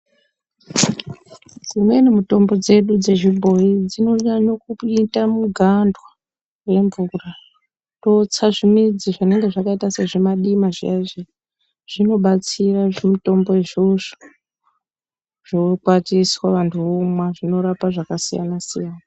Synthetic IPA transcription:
d͡zimwe̞nimuto̞mbo̞d͡ze̞ɗud͡ze̞ʒibʱo̞id͡zino̞ɲaɲokuitamuɡʱandwa | we̞mbura | to̞t͡saʐimid͡ziʐane̞ŋɡe̞ʐakaitase̞ʐemaɗimaʐiaʐi | ʐ̥ino̞ɓat͡siraʐemito̞mbo̞iʐoʐo̥ | ʐ̥okwatiswaʋantʰuomwaʐino̞ɾapaʐakasija̰nasijana

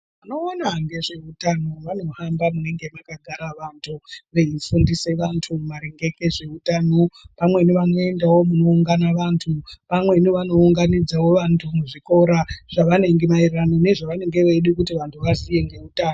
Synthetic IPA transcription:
mmuno̞ːnaŋɡe̞ʐe̞utano̞ʋano̞hambamune̞ŋɡe̞makaɡʱaɾaʋantʰuʋeifundise̞ʋantʰumaɾe̞ŋɡe̞ke̞ʐe̞utanopamwe̞niʋano̞e̞ndawo̞muno̞uŋɡanaʋantʰupamwe̞niʋano̞uŋɡanid͡zawo̞ʋantʰumuʐiko̞ɾaʐ̥aʋane̞ŋɡe̞mairranone̞ʐaʋane̞ŋɡe̞ʋeɗikutiʋantʰuʋazije̞ŋɡe̞utaːno

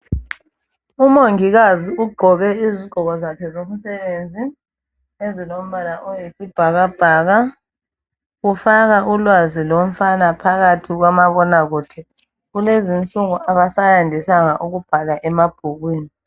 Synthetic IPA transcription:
umoŋiɣaziuɡ͡ǃʱɔɣɛiziɡ͡ǃ̥ʱɔɣɔzakʰɛzom̩sɛβend͡zʱi | ezilom̩βanaʔɔjesib̥ʱaɣab̥ʱaːɣa | ɣufaɣaʔulwazilom̩fanapʰaɣatʰiɣ̬wamaβɔnaɣutʰɛ | ɣulezint͡sʼuŋuʔaβasajandʱisaŋaʔuɣub̥ʱalaʔɛmab̥ʱuɣwiːni

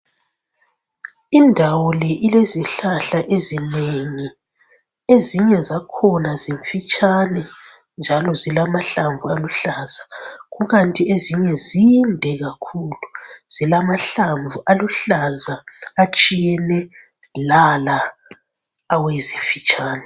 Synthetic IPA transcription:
indʱawɔlɛʔileziɬaɬaʔezineŋi | eziɲɛzakʰɔnaziɱfit͡ʃʼanɛ | nd͡ʒʱalɔzilamaɬaɱvualuɬazaɣuɣantʼieziɲɛzindʱɛɣakʰuluz̥ilamaɬaɱbvuʔaluɬazaːt͡ʃʼijɛnɛ | lala | wezifit͡ʃʼaːnɛ

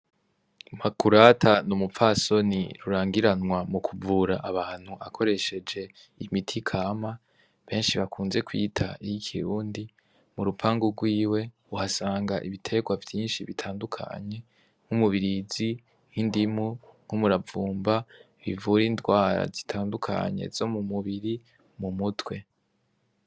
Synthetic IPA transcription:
makuɾatʰanumufaso̞nḭɾuɾaːŋɡiɾanwamukʰuvuɾaʔaβaːn̥huʔakʰo̞ɾe̞ʃe̞d͡ʒe̞ | imitʰikʰaːma | βe̞ːnʃiβakuːnze̞kwḭːtʰaijikʰiɾuːndi | muɾupʰaːŋɡuɡwiːwe̞ | uhasaːŋɡaʔiβitʰe̞ɡwavjiːnʃiβitʰaːndukʰa̰ɲe̞ | ŋ̥humuβiɾizi | hindimuŋ̥humuɾavuːmba | βivuɾiːndwaːɾa̰zitʰaːndukʰa̰ɲe̞̰z̥o̞mumuβiɾi | mumutwe̞

